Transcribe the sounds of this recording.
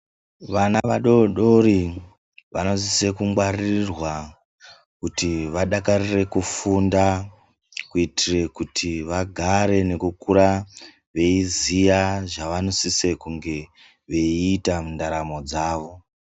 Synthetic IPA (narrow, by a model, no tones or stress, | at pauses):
ʋanaʋaɗo̞ɗo̞ɾi | ʋano̞sise̞kuŋɡwarirwa | kutiʋaɗakarire̞kufunda | kuitʰire̞kutʰiʋaɡʱaɾe̞ne̞kukuɾa | ʋe̞izijaʐaʋano̞sise̞kuŋɡe̞ | ʋe̞iːtamundaɾamo̞d͡zaːʋo̞